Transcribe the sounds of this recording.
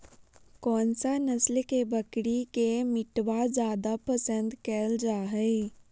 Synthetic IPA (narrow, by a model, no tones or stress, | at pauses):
kɔːnsanəslkebəkɽikemɪʈwad͡ʒjaːd̪apəsə̃nd̪kɛːld͡ʒaːɦɛː